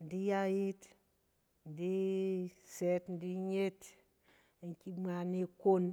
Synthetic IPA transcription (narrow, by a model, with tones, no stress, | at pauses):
n˨di˦ja˦ji˦t | n˨di˦ | se˦tn˦di˦ɲe˦t | ŋki˦ma˨ni˦ko˦n